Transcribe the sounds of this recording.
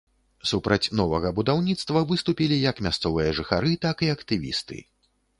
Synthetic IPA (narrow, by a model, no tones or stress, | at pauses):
supɾɐt͡sʲnɔvɐɣɐbud̪awnʲit̪st̪vɐvɨst̪upʲilʲijɐkmʲast̪sɔvɨjɐʐɨxa̰ɾɨt̪akiɐkt̪ɨvʲḭst̪ɨ̰